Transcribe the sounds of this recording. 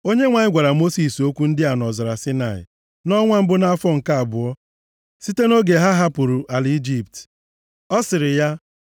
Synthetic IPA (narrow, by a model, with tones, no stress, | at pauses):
o˦ɲe˦ŋʷa˨ɲɪ˦ɡʷa˨ɾa˨mo˦si˨so˦kʷu˦n̩˦dɪ˦a˨nɔ˨zɔ˨ɾa˨sɪ˦na˨ɪ̰˨ | nɔ˦ŋʷa˦m̩˦bʊ˦na˦fɔ˦ŋ̩˨ka˦a˨bʊ˨ɔ˦ | si˦te˦no˦ɡe˨ɦa˦ɦa˦pʊ˨ɾu˨ʔa˨li˦d͡ʒi˦p̚t | ɔ˦sɪ˨ɾɪ˨ja˦